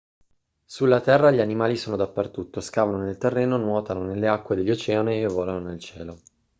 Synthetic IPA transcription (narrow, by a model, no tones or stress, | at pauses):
sulːat̪ɛrːaʎianimaːlisoːnod̪apːert̪ut̪ːoskaːvanonelt̪erːɛːnonwɔːt̪anonelːeakːwed̪eʎːot͡ʃɛːaniːvːɔːlanonelt͡ʃɛ̰ːlo